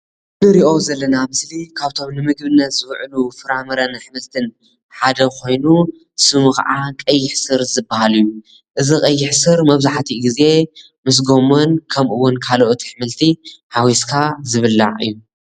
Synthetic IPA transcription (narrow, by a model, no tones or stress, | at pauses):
nɨɾiʔo̞zɐlːɐnamɨslikʰaβt̪ʰo̞mnɨmɨɡbɨnːɐt̪z̥ɨwʕɨlufɨɾamɐɾɐnħɨmɨlt̪ʰɨn | ħad̪ɐkʰo̞jnu | sɨmuxa̰ʕakʼɐjːɪħsɨɾzɨbahalijːu | ʔɨzikʼɐjːɪħsɨɾmɐβzaħt̪ʰiɡize̞ | mɨs̬ɡo̞monkʰɐmʔɨwːʊnkʰaloʔot̪ʰi̥ħɨmɨlt̪ʰihawiskʰazɨβɨlːa̰ʕɨ̰jːu